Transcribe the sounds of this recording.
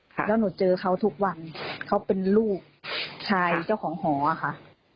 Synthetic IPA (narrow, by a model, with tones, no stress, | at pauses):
lɛː˦˥˩nuː˩˦t͡ɕɤː˧kʰa˦˥wt̪ʰu˦˥k̚wa˧nkʰa˦˥˩wpe˧nluː˥˩k̚t͡ɕʰaː˧jt͡ɕa˥˩wkʰɔː˩˦ŋɦɔː˩˦ʔa˨xʰa˧˥ʔ